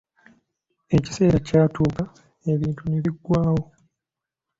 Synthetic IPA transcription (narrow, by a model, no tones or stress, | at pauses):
e̞ci̥se̞ːɾacaːtuːka | e̞βiːntuneβiɡːwaːwo